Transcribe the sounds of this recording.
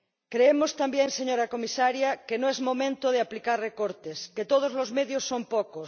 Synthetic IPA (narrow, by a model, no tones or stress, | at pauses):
kɾeemost̪ambjẽŋseɲoɾakomisaɾjakenõezmõmẽnt̪oð̞eaplikarrekoɾt̪esket̪oð̞ozlozmeðjosːompokos